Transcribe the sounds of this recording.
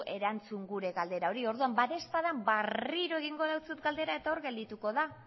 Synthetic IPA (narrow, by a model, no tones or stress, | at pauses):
ʔe̞ɾant͡suŋɡuɾe̞ɣald̪e̞ɾao̞ɾio̞ɾðuambat̪e̞spaðambariɾoe̞ɣiŋɡo̞ðawt͡sut̪ɡald̪e̞ɾae̞t̪ao̞ɾɣe̞ld̪it̪uko̞ða